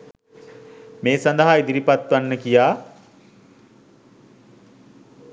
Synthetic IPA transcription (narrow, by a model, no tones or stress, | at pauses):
meːsand̪əɦaid̪iɾipat̪ʋanːəkijaː